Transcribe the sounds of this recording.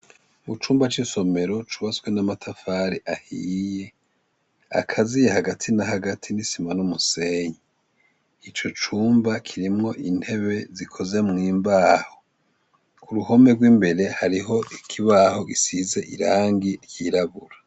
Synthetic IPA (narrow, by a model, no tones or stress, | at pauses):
βut͡ʃuːmbat͡ʃiso̞me̞ɾo̞t͡ʃuβasɡwe̞namatʰafaːɾiʔahije̞ | a̰kʰazijehaɡatʰinahaɡatʰinisimanumuse̞ɲiː | t͡ʃo̞t͡ʃuːmbakʰiɾimŋo̞ʔin̥he̞βe̞zikʰo̞ze̞mŋiːmbaːho | kuɾuho̞me̞ɡwiːmbe̞ɾe̞haɾiɦo̞ʔikʰiβaːho̞ɡisize̞ʔḭɾaːŋɡiɾjiːɾaβuɾa